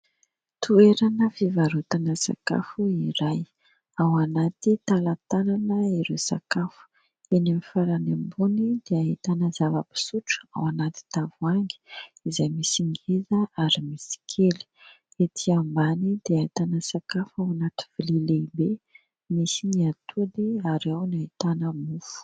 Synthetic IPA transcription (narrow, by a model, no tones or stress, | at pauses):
t̪ʰueɾanəfivaɾut̪anəsa̰ka̰fuiɾaj | awanat̪it̪alat̪ananəiɾesa̰kafu̥ | enamifaɾanembunid̪̥eaɦit̪anəzavəpi̥suʈ͡ʂu̥a̰wanat̪i̥t̪avuaŋɡi̥izajmisiŋɡezəaɾimisi̥kʰeli̥ | et̪ʰiambanid̪eaɦit̪anəsakafawanat̪i̥v̥ilileibe | misiniat̪ʰud̪eaɾawnait̪anəmufu̥